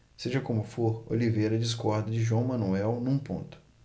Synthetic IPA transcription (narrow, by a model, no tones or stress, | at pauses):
seʒɐkõmʊfoɾo̰livejɾɐd͡ʒis̬kɔɾd̪ɐd͡ʒɪʒuɐ̃w̃mɐ̃nuɛwnũpõ̰nt̪ʊ̥